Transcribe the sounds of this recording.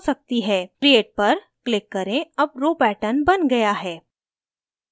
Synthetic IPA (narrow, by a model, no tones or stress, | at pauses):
sɐk̚t̪iɦɛːkɾieːʈ̚pɐɾ | klɪkːɐɾẽɐb̚ɾoːpɛːʈənbɐnɡɐjaɦɛː